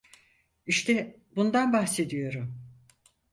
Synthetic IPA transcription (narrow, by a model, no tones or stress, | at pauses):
iʃt̪ʰɛ | bund̪anbahse̞d̪ijo̞ɾum